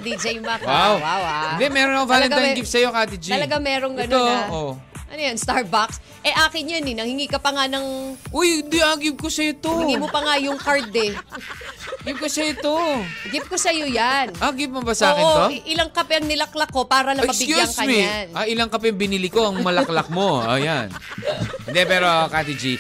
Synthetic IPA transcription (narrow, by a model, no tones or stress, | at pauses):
d̪id͡ʒɐjmɐkwawwawad̪ɛmɛɾonɐkovaːlɛnaŋɡɪpsɐjo̞kaːt̪ɪd͡ʒ̪ɐlɐɡaŋmɛɾoŋɡɐnoʔoʔɐnojanst̪aɹbaks | ʔɛʔaːkɪnjaninɐŋhɪŋiːkɐpɐŋanɐŋʔoj̪d̪iʔaɡɪb̚kosɐjot̪oɪɡimopɐŋajʊŋkaɹd̪ɛ | ɡɪb̚kosɐjot̪oɡɪp̚kosɐjojanʔaɡɪp̚mɐbɐsaːkɪoʔɪlɐŋkɐpɛʔɐŋnɪlɐklɐkːo̞paːɾɐnɐɐmɐbɪɡjujŋkɐmianʔɐʔɪlɐŋkɐpɛɐŋbɪnɪlɪkoʔɐŋmɐlɐklɐk̚mo̞ɐ̰janɪnd̪ɛpɛːɾokaːt̪ɪd͡ʒi